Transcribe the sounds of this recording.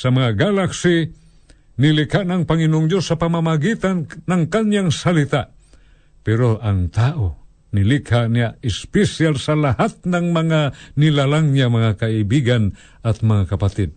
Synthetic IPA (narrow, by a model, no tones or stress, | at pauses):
samaŋaɡalaksi | nilikhaʔnaŋpaŋinoŋd͡ʒosːapamamaɡit̪anːaŋkanɲaŋsalit̪aʔ | pɛɾoʔaŋt̪aʔo | nilikhanijaʔɪspɛsialsalahat̪̚naŋmaŋanilalaŋɲamaŋakaibiɡan | at̪maŋakapat̪ɛd̪̚